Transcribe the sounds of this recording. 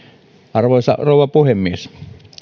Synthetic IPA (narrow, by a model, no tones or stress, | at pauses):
ɑrʋoˑisɑ̰roˑuwˑɑpuhemːies